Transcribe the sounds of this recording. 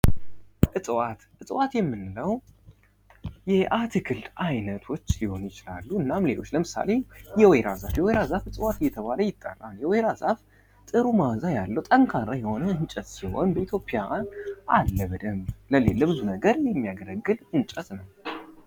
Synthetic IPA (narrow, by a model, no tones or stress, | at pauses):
ʔɨsʼwat̪ʔɨsʼwat̪jɛmːɨnːɨləw | jɛʔat̪ʰɨkʰɨld̪ajnət̪ʰo̞t͡ʃːliho̞njɪt͡ʃɪla̰lːuɨnːamle̞lo̞t͡ʃːləmɨsa̰le̞jɛweɾazafjɛweɾazafɨsʼɨwat̪ɨjɛt̪ʰəβaləjɪt̪ʼːə̰rːa̰njɛweɾazaf | t̪ʼɨɾumazajalːəwt̪ʼəŋkʰaɾajɛho̞nəɨnt͡ʃʼət̪siho̞̰nbəit̪ʰjo̞pʼjanʔalːəβəd̪əmləlelːəbɨzunəɡəɾjɛmːijaɡəɾəɡːɨlɨnt͡ʃʼət̪nəw